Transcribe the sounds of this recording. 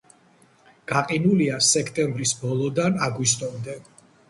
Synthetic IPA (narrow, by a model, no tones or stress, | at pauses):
ɡ̥aqʼinuliasɛkʰt̪ʼɛmbɾisbɔlˠɔd̪anaɡwist̪ʼɔmd̪ɛ